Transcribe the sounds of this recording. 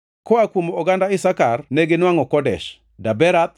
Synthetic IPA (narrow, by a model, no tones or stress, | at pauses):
kɔakwomoɔɡandaɪsakarnɛɡɪnwaŋɔkɔdɛ̰ʃ | dabɛɾat̪̚